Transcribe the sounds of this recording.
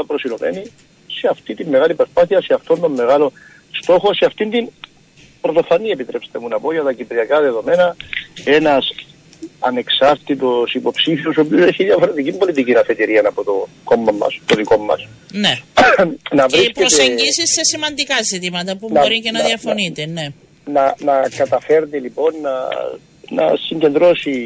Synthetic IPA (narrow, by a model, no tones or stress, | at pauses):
ɐpɾo̞silove̞̰ni | seɐft̪it̪imːe̞ɣalipɾo̞spaθiɐseɐft̪o̞nd̪o̞mːe̞ɣalo̞ | st̪o̞xo̞seɐft̪ind̪in | pɾot̪ofɐnie̞pit̪ɾʔepst̪e̞munɐpoʝɐt̪ɐcipɾiɐkɐðeðo̞me̞nɐe̞nɐs | ɐ̰ne̞ksɐɾt̪it̪o̞sipo̞psifio̞sopioseçiðjɐfoɾet̪icimbo̞lit̪icinɐfe̞t̪iɾiɐnɐpot̪oko̞mːɐmːɐ̰st̪oðiko̞mːɐ̰sne | nɐvɾiskeoseɲisisːesimɐnd̪ikasit̪imɐt̪ɐpubnɐoɾicenɐðiɐfonit̪ene | nɐnɐkɐt̪ɐfeɾt̪elipo̞nːɐ̰ | nɐ̰siɲɟe̞nd̪ɾo̞si